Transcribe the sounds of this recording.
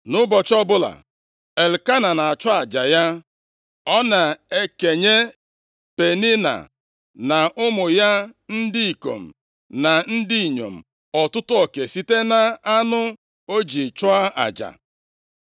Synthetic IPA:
nʊ˦bɔ˨t͡ʃɔ˦bʊ˦la̰˨ | e˨lka˦na˨na˨a˨t͡ʃɔ˦a˨d͡ʒa˨ja˦ | ɔ˦na˨e˦ke˨ɲe˦ | pe˨ni˦na̰˨ | na˨ʔʊ˦mʊ˨ja˦n̩˦dɪ˦i˨ko̰˨m̩˨ | na˨n̩˦dɪ˦i˨ɲo̰˨m̩˨ | ɔ˨tʊ˦tʊ˦ɔ˨ke˨si˦te˦na˨a˦nʊ˦ | o˦d͡ʒi˨t͡ʃɔ˦a˦a̰˨d͡ʒa̰˨

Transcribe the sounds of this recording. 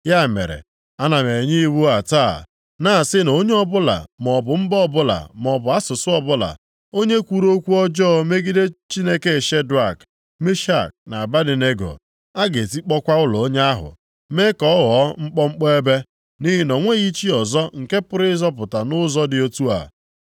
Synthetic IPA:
ja˦˨mḛ˨ɾḛ˨ | a˦na˨me˨ɲɪ˦i˦wu˦a˨taː˦˨ | na˦˨sɪ˦no˦ɲe˦ɔ˦bʊ˦la̰˨mɔ˨bʊ˨m̩˦bɔ˦˨bʊ˦la̰˨mɔ˨bʊ˨a˦sʊ˨sʊ˦ɔ˦bʊ˦la̰˨ | o˦ɲe˦kʷu˦ɾo˦kʷu˦ɔ˦d͡ʒɔː˦me˦ɡi˦de˦t͡ʃi˦ne˦ke˦˨ʃe˦dɾa˦˨k | me˦ʃa˦˨k̚na˨a˨ba˦dɪ˨ne˦ɡo̰˨ | a˦ɡe˨ti˦k͡pɔ˦kʷa˦ʊ˦lɔ˨o˦ɲe˦a˦ɦʊ̰˨ | me˦kɔ˨˦ɔ˦ɣɔ˨˦ŋ͡m̩˦k͡pɔ˦ŋ͡m̩˦k͡pɔ˦e˦be˦ | ni˦ɦi˦nɔ˨ŋʷe˦ɣi˦t͡ʃi˦ɔ˨zɔ˦ŋ̩˨ke˦pʊ˦ɾɪ˦zɔ˦p̬ʊ˨ta˨nʊ˦zɔ˦dɪ˨o˦tu˦a̰˨

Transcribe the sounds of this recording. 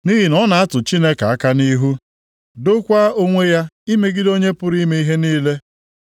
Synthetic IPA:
ni˦ɦi˨nɔ˦na˨a˦tʊ˨t͡ʃi˦ne˦ka˨a˦ka˦ni˦ɦu˦ | do˦kʷa˦o˦ŋʷe˦ja˦i˦me˦ɡɪ˦do˦ɲe˦pʊ˦ɾi˦me˦i˦ɦe˦niː˦le˦

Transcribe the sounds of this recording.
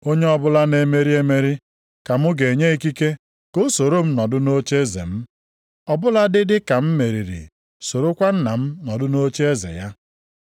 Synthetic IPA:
o˦ɲe˦ɔ˦bʊ˦la˦ne˦me˦ɾi˦e˦me˦ɾi˦ | ka˨mʊ˦ɡe˨ɲe˦i˦ki˦ke˦ | ko˦so˨ɾo˦m̩˦nɔ˨dʊ˦no˦t͡ʃe˦e˦zḛ˨m̩˦ | ɔ˨bʊ˦la˦dɪ˦dɪ˦ka˨m̩˦me˨ɾi˨ɾḭ˨ | so˨ɾo˦kʷa˦n̩˦na˨m̩˦nɔ˨dʊ˦no˦t͡ʃe˦e˦zḛ˨ja˦

